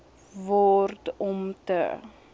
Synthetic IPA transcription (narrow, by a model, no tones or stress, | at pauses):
vɔrtɔmtə̰